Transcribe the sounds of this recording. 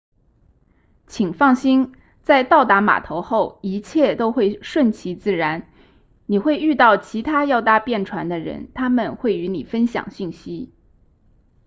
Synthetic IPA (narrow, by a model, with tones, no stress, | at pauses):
t͡ɕʰi˨˩ŋfɑ˥˩ŋɕi˥n | t͡sa˥˧ɪt̪ɑ˥˩ʊt̪a˧˥ma̰˨˩t̪ʰo˧˥ʊxo˥˩ʊi˧˥t͡ɕʰjɛ˥˩t̪o˥ʊxwe˥˧ɪʂwə˥˩nt͡ɕʰi˧˥t͡sɹ̩˥˩ɻa˧˥n | ni˨˩xwe˥˧ɪy˥˧t̪ɑ˥˩ʊt͡ɕʰi˧˥t̪ʰa˥jɑ˥˧ʊt̪a˥˧pjɛ˥˩nʈ͡ʂʰwa˧˥nd̪ə˧ɻə̰˧˥nt̪ʰa˥mə˨nxwe˥˩ɪy˧˥ni˨˩fə˥nɕjɑ̰˨˩ŋɕi˥˩nɕi˥